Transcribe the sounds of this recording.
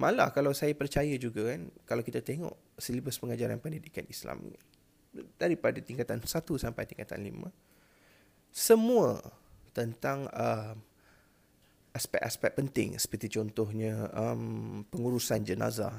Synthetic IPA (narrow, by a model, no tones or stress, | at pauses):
mʔala̰kalawsajapərt͡ʃajad͡ʒuɡakankalawkit̪at̪eŋɔ̰ʔ | səlibəspəŋad͡ʒaɾa̰npənidikanisla̰m | daɾipadat̪iŋkat̪ansat̪usampajt̪iŋkat̪a̰nlḭmə̰̃ | səmũət̪ənt̪aŋəm | ʔaspɛ̰ʔaspɛk̚pənt̪ɪ̰ŋsə̥pərt̪it͡ʃɔnt̪ɔhɲə̃əmpəŋuɾusand͡ʒəna̰za̰